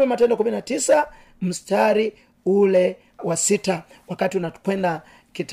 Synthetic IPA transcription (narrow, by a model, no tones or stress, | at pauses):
ɛmatɛndɔkuminatisa | m̩staɾi | ulɛ | wasita | wakatiunakwɛnda | kit